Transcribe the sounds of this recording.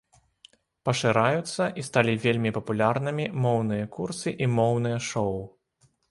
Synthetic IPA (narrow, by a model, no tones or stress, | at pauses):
pɐʂɨɾajut̪sːɐʔist̪alʲivʲelʲmʲipɐpulʲarnɨmʲimɔwnɨjɐkursɨʔimɔwnɨjɐʂɔw